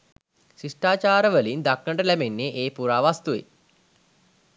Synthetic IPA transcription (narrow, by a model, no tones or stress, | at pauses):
sisʈaːt͡ʃaːɾəʋəlind̪aknəɳɖəlæbenːeʔeːpuɾaːʋast̪uḛ